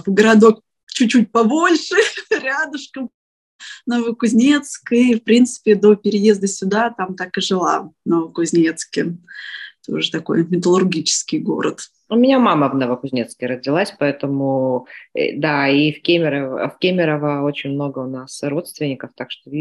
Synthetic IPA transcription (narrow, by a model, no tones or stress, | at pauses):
vɡəɾɐd̪o̞k | t͡ɕʉːut̚ʲpɐbo̞lʲʂɨɾʲad̪ʊʂkəm | nəvəkʊzʲnʲe̞t̪skɨfpɾʲint̪sɨ̥pʲɪd̪o̞pʲɪɾʲɪje̞zd̪əsʲʊd̪at̪amt̪akɨʐɨlˠa̰nəvəkʊzʲnʲet̪skʲɪ | t̪o̞̰ʐɨt̪ɐko̞̰jmʲɪt̪əlˠʊrɡʲit͡ɕɪ̥skʲɪjɡo̞̰ɾə̰t̪ | ʊmʲɪnʲamaməvnəvəkʊzʲnʲet̪skʲɪɾəzʲdʲɪlˠasʲpɐɛt̪əmʊ̰ | d̪aifkʲemʲɪɾəvə̰fkʲemʲɪɾəvəo̞t͡ɕɪnʲmno̞ɡəʊnasro̞t̪st̪vʲɪnʲːɪkəft̪akʂt̪oi